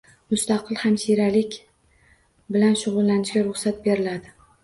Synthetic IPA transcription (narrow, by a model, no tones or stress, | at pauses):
mʊst̪ɑqʰɨlˠhamʃiɾalɪkʲ | bɪlanʃʊʁʊlːanɪʃɡʲaɾʊχsat̪̚be̞ɾɪlad̪ɪ